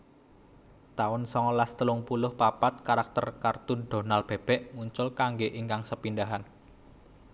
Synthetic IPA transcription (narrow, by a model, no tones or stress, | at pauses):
t̪aʊnsɔŋlast̪əlʊŋpulʊhpapat̪̚kaɾak̚t̪ərkart̪unɖ̪̥ɔ̤nalb̥ɛ̤b̥ɛ̤ʔmuɲt͡ʃʊlkaŋɡeʔiŋkaŋsəpindaɦan